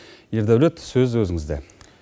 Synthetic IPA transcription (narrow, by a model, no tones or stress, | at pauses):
jeɾd̪æwlet̪sɵzwɵzɪŋɪzd̪e